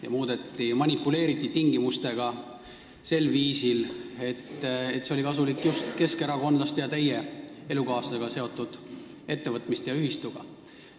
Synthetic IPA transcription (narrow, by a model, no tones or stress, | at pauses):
jɑmuːd̪̥e̞t̪ːimɑnʲipːˑule̞ːɾit̪ːˑit̪iŋɡimust̪e̞ɡ̥ɑ | se̞lviːsile̞t̪ːet̪se̞olikɑsulikːˑjust̪ke̞ske̞ɾɑko̞nd̪lɑst̪jɑt̪e̞jee̞lukɑːsɑseɡ̥ɑse̞o̞t̪ːˑud̪̥ | e̞t̪ːe̞vɤt̪ˑmist̪jɑyɦist̪uɡ̥ɑ̰